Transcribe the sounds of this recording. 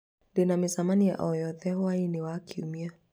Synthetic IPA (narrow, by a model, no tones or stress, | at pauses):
denamisamanija̰ʔɔjɔðɛhɔainiwakʰiumia